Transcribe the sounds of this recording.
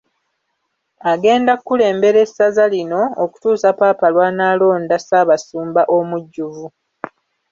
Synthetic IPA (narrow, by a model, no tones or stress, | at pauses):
aɡe̞ːndakːule̞ːmbe̞ɾe̞sazalino̞ːku̥tuːsapaːpalwaːnaːlo̞ːndasaːβasuːmbaʔo̞muɟːuvu